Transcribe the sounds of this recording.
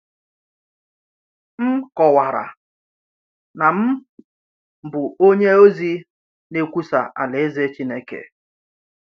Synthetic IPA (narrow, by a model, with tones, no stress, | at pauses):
m̩˦kɔ˨wa˨ɾa̰˨ | na˨m̩˦ | bʊ˨o˦ɲe˦o˦zi˦ | ne˦kʷu˦sa˨ʔa̰˨le˨e˦ze˦t͡ʃi˦ne˦kḛ˨